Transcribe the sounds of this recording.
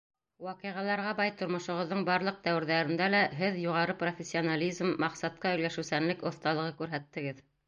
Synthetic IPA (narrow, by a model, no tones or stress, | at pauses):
wɑqiʁɑlˠɑɾʁɑbɑjt̪ŏɾmŏʃŏʁɤ̆ðːɤɴbɑɾlˠɤq̚d̪æwɘ̆ɾðæɾɘ̆nd̪ælæɦɘðjuʁɑɾɤprofʲesʲːionalʲizmːɑqsɑt̪̚qɑɵ̆jlæʃɘ̆wsænlɘkŏθt̪ɑlˠɤ̆ʁɤkʉɾɦæt̪ːɘ̆ɡɘð